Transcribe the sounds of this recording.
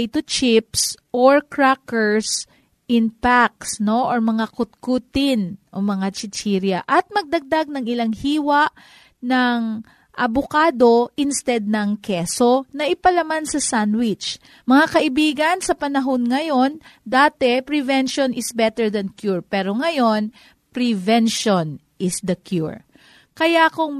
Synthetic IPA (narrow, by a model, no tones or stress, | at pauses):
jt̪ʊt͡ʃɪpsʔoɹkɹakɛɹs | ʔɪnpak̚sno̞ʔoɹmɐŋakʊt̪̚kut̪ɪnʔomɐŋat͡ʃɪt͡ʃiɾjɐʔɐt̪̚mɐɡ̚d̪ɐɡ̚d̪aɡ̚nɐŋɪlaŋhiːwɐʔ | nɐŋ | ʔɐbokaːd̪o̞ʔɪnst̪ɛd̪̚nɐŋkɛso̞nɐʔɪpɐlɐmansɐsanwɪt͡ʃ | mɐŋakɐʔɪbiːɡɐnsɐpɐnɐɦo̞nŋɐjo̞nd̪aːt̪ɛpɾɪvɛnʃonɪsbɛt̪ɛɹd̪ɐnkjuɹpɛːɾoŋɐjo̞n | pɾɪvɛnʃon | ʔɪsd̪ɐkjṵɹ | kɐjakʊŋ